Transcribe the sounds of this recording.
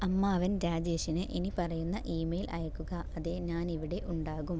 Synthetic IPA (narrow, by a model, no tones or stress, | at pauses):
ɐmːaɐʋɐnɾaːd͡ʑeːʂinɨʔenipɐrɐjunːɐʔiːmejilʔɐ̰jɐkːuɣɐɐðeɲaːniʋiɽe̞ʔuɳɖaːɣum